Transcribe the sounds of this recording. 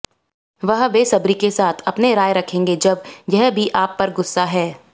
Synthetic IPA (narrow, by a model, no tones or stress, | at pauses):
ʋɐɦʋeːsɐbɾikesaːt̪ʰɐpneɾaːjɾɐkʰẽːŋɡed͡ʒɐbjɛɦbʱiʔaːpːɐɾɡʊsːaɦɛː